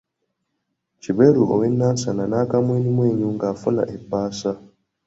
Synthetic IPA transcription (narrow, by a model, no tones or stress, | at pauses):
cibeɾuʔo̰wenːansananaːkamweːnimweːɲuːŋɡaːfuna̰ʔebːaːsa